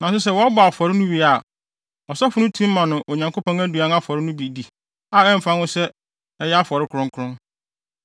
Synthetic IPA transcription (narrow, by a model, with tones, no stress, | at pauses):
nã˨s̬ʊ˦s̬ɛ˦wɔ˨˦a˦bʊ˨a˨fɔ˨ɾɪ˦nʊ̃˦wi˨a˦˨ | ɔ˨sɔ˦fʊ˨˦nʊ̃˦tʰũ˦m̩ː˦ã˨nʊ̃˨ʔo˨ɲã˨ŋko˦pʰɔ̃˦ŋæ˦du˨ã˦na˦fɔ˨ɾɪ˦nʊ̃˦bi˨di˨ | a˨ɛ˦m̩˨fã˦nʊ̃˦sɛ˦ | ɛ˦jɛ˦a˦fɔ˨ɾɪ˦kʰʊ˨ɾʊ̃˦ŋkʰʊ˦ʊ̃˦n